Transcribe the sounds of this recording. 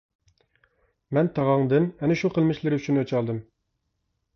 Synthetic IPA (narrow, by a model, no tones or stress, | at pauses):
mɛnt̪ʰɑʁɑŋd̪ɨnɛnɪʃuqʰəlˠmɪʃlɪɾɪyt͡ʃʰinøt͡ʃʰɑlˠd̪ɨm